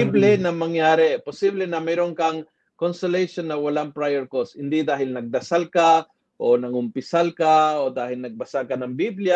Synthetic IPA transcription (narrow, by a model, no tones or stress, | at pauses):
iblɛnɐmɐŋjaːɾɛpʊsiblɛnɐmɛɾoŋkɐŋ | konst̪ɛlɛjʃonːɐwɐlaŋpɾajɛɹkoshɪnd̪id̪aːɦɪlnɐɡ̚d̪ɐsalka | ʔonɐŋʊmpɪsalkaod̪aːhɪlnɐɡ̚bɐsakanɐŋbiblɪja